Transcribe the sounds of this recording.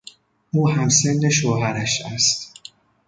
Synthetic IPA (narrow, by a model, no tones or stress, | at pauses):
uːɦæmsenːe̞ʃoːɦæɾæʃæst̪